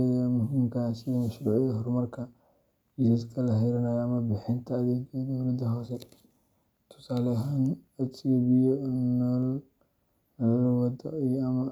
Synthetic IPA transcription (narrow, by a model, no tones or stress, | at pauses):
jɐmʊɦimkʰaːsimɐʃɾuːʕɪjɐɦɔrmɐrkʰɐ | d͡ʒɪsiskʰɐlɐɦɪɾɐnɐjɐmɐbɪħɪnt̪ʰɐːðɛːɡɐd̪ɔwlɐd̪ɐɦɔːsɛ | t̪ʰʊ̥saːlɐɦanɐt̪iɔbɪɔnɔl | lwɐd̪ɔ̰iɐmɐ